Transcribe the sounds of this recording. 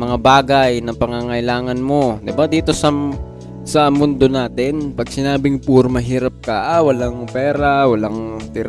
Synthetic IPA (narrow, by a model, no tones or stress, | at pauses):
mɐŋabaːɡɐjnɐŋpɐŋaŋɐʔɪlaːŋɐnmo̞d̪ɪbad̪iːt̪o̞sɐ | sɐmʊnd̪o̞naːt̪ɪnpɐɡ̚sɪnaːbɪŋpʊɾmɐɦiːɾɐp̚kɐʔawɐlaŋpɛːɾawɐlaŋt̪ɪɾa